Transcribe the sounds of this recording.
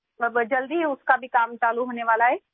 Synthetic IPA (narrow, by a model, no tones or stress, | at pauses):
ɐbd͡ʒɐld̪iɦɛʊskabʱikaːmt͡ʃaːluɦoːneʋaːlaɦɛː